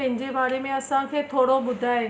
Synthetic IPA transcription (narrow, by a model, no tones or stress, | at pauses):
ɛ̃ɦɪ̃ɲd͡ʑebaːɾemẽəsãkʰeːt̪ʰoːɽobʊd̪ʱaeː